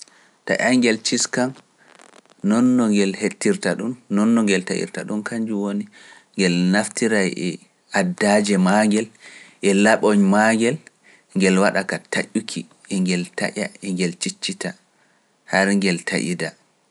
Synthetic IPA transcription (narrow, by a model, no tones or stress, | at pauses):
ta̰ʔaŋɡɛlt͡ʃiskam | nɔnːɔŋɡɛlhetːiɾtaɗunːɔnːɔŋɡɛlta̰ʔḭɾtaɗumkʰand͡ʒuwoni | ŋɡɛlnaftiɾajʔɛ | adːad͡ʒɛmaŋɡɛlʔɛlaɓɔɲmaŋɡɛl | ŋɡɛlwaɗakatʰa̰ʔːukʰi | ɛŋɡɛlta̰ʔa̰ɛŋɡɛlt͡ʃit͡ʃːita | haɾŋɡɛltʰa̰ʔḭda